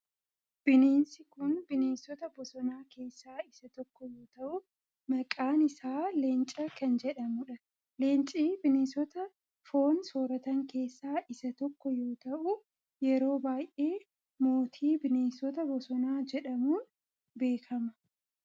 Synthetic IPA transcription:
b̥ɪneːnsɪkʊnbɪneːnsɔt̪ɐbɔsɔnaːke̞ːsːaːɪsɐt̪ɔkːɔjo̞ːt̪ɐʔʊ | mɐkʼaːnɪsaːleːnt͡ʃʼɐkɐnd͡ʒɛᶑɐmʊᶑɐ | le̞ːnt͡ʃʼiːbɪneːsɔt̪ɐ | fo̞ːnsoːɾɐt̪ɐŋke̞ːsːaːʔɪsɐt̪ɔkːɔjo̞ːt̪ɐʔʊ | jɛɾo̞ːbaːjʔe̞ː | mo̞ːt̪ʰiːbɪneːnsɔt̪ɐbɔsɔnaːd͡ʒɛᶑɐmuːn | be̞ːkʰɐmɐ

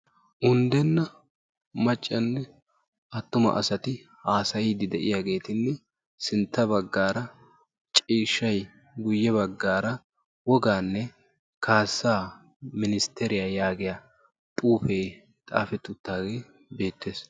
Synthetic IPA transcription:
ʔʊnd̪ɛnːɐ | mɐt͡ʃʼːɐnːɛ | ʔɐt̪ːʊmɐ̰ʔɐsɐt̪ɪ | haːsɐjɪd̪ɪd̪ɛʔɪ̰jaɡe̞ːt̪ɪnːɛ | sɪnt̪ːɐbɐɡːaːɾɐ | t͡ʃʼiːʃːɐj | ɡʊjːɛbɐɡːaːɾɐ | wɔɡaːnːɛ | kʰaːsːaː | mɪnɪst̪ɛɾɪjaːjaːɡɪja | t̪ʼuːfeː | t̪ʼa̰ːfɛt̪ːʊt̪ːaːɡeː | be̞ːt̪ːeːs

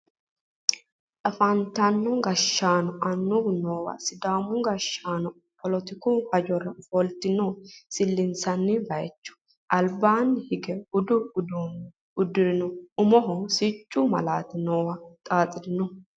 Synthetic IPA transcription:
tɐfɐnt̪ɐnːɔɡɐʃːaːnɔʔɐnːʊɡnoːwɐ̰sɪd̪aːmʊɡɐʃːaːnɔ | pʰɔlɔt̪ɪkuhɐd͡ʒɔɾɐfɔlt̪ɪnɔsɪlːɪnsɐnːɪbɐjɛt͡ʃːʊ̥ | ʔɐlbaːnːhɪɡɛʊd̪ʊʊd̪un | ʊd̪ɪɾɪnɔʊmɔɦɔsɪt͡ʃʼːʊmɐ̰laːt̪ɪnoːwɐt̪ʼaːt͡sʼɪɾɪnɔ

